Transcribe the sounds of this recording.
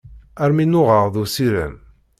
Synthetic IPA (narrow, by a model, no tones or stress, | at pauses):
æɾminːʊʁəʁðusiɾə̰n